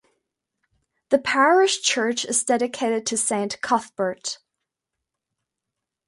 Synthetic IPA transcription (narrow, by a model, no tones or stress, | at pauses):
ðɨpʰæɹɪʃt͡ʃʰɜ˞t͡ʃɨzdɛɾɨkʰeɪɾɨd̚tʰɨsẽɪ̃nkʰʌθb̥ə˞t